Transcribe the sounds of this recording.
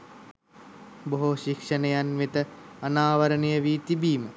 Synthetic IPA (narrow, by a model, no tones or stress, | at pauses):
boɦoʃikʂənəjanʋet̪əɐnaːʋɐɾənejəʋiːt̪ibiːmə